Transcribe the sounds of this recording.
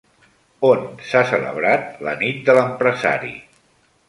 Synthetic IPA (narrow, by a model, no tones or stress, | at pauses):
onsasələ̰βɾat̪̚lə̰nit̪̚d̪ələmpɾəza̰ɾḭ